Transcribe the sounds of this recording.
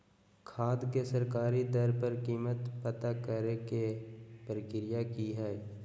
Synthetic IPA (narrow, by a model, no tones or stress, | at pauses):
kʰaːd̪kesəɾkaːɾid̪əɾpəɾkiːmət̪pət̪akəɾekepəɾkɪɾɪjakiɦɛɛ